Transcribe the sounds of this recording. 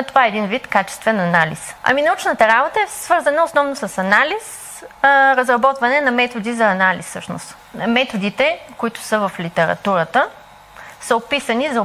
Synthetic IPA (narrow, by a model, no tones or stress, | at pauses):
t̪ovaɛɛd̪invit̪kat͡ʃɛ̥st̪vɛnɐnalḭsɐ̰minɐut͡ʃnət̪əɾabot̪əɛsvɤɾzɐnəʊsnɔvnʊsɐsɐnalis | ɾɐzɾɐbɔt̪vɐnɛnɐmɛt̪od̪izɐːnalḭsːɤ̰ʃnʊ̰st̪ | mɛt̪od̪it̪ɛkʊit̪ʊ̥səvɐflit̪ɛɾɐ̰t̪uɾət̪ə | səopisɐnizɐ